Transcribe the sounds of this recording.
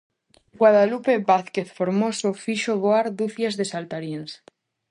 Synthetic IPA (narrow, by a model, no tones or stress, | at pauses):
ɡwað̞alupebaθkeθfoɾmosofiʃoβoaɾd̪uθjazðesalt̪aɾjens